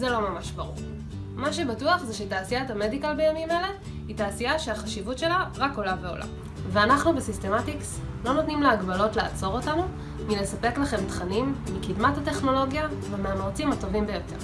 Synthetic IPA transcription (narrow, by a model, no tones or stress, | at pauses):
zelo̞mamaʃbaʁuʁ | maʃe̞batuaχzeʃetaːsiatame̞dikalbejamimele̞ | hitaːsiaʃeaχaʃivutʃe̞laʁako̞lave̞o̞̰lʔa̰ | veanaχnubesiste̞matikslo̞notnimleaɡbalo̞tleat͡so̞ʁo̞tanu | mile̞sapeklaχe̞mtχanimːikidmathate̞χno̞lo̞ɡjavemeamaʁt͡simato̞vimbejo̞te̞ʁ